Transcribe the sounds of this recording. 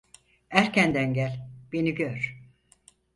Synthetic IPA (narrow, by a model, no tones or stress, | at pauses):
æɾcʰænd̪ænɟælʲb̥eniɟøɾ̥